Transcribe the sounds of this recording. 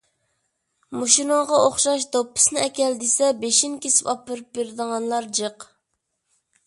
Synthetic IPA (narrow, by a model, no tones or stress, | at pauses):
muʃinoʁɑoχʃɑʃ̬d̪opːɨ̥snɪɛkʲɛld̪esɛbeʃinkʲesɪ̥pɑpːɨɾɨp̚beɾd̪əʁɑnlˠɑɾd͡ʒəq